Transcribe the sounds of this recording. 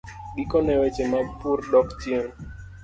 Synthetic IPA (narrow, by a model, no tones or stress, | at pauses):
ɡikɔnɛwɛt͡ʃemapurdɔktjɛn